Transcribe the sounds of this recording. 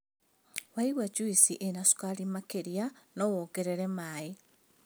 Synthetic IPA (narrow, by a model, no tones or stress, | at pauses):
waiɣwad͡ʒuisiʔenasu̥kalimakeɾjanowoɡeɾeɾemae